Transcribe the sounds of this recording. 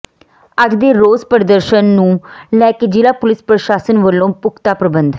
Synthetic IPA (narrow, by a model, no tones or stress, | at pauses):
əɡd̪eːɾoːzpəɾd̪əɾʃənːũːlɛːked͡ʒɪlaːpʊlɪspɾəʃaːsənʋəlːõːpʊkʰt̪aːpɾəbənd̪